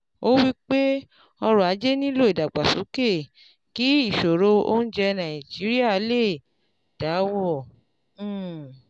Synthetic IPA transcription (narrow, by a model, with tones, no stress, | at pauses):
o˦wi˦k͡pe˦ | ɔ˧ɾɔ˨a˨˦d͡ʒe˦nĩ˦lo˦i˨da˨ɡ͡ba˨su˨˦ke˦˨ | ki˨˦i˦˨ʃo˨ɾo˧o̰˦n̩˦d͡ʒɛ˧nã˨i˨d͡ʒi˨˦ɾi˦a˦˨˦le˦˨ | d̥a˨˦wɔ̃˦˨˦